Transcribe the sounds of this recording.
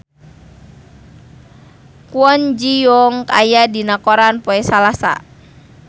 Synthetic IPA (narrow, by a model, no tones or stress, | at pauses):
kuɔnd͡ʒijɔŋkajadinakɔɾanpɔɛsalasa̰